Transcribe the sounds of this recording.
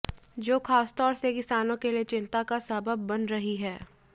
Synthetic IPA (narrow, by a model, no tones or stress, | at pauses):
d͡ʒoːxaːst̪ɔːɾsekɪsaːnõkeliet͡ʃɪ̃nt̪akasɐbəbːɐnɾɐɦiɦɛː